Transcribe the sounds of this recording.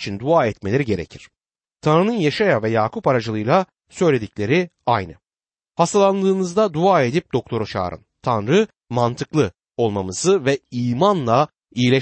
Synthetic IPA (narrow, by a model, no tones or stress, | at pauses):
t͡ʃʰind̪uaːɛt̪melʲeɾiɟe̞ɾecʰiɾ̥ | t̪ʰanɾɯnɯnjeʃajavɛjaːkʰupaɾad͡ʒɯlˠɯjlˠa | sø̞jlʲe̞d̪iclʲe̞ɾi | ajnɯ | hast̪ʰalˠand̪ɯːnɯzd̪ad̪uaːe̞d̪ip̚d̪o̞k̚t̪ʰo̞ɾot͡ʃʰa̰ːɾɯ̰nt̪ʰanɾɯ | mant̪ʰɯklˠɯ | o̞lˠmamɯzɯvɛiːmanlˠa | iilʲɛ